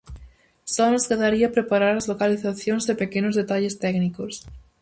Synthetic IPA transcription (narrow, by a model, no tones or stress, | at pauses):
sɔnoskeðaɾiapɾepaɾaɾazlokaliθaθjoŋzðepekenozðet̪aʎest̪ɛknikos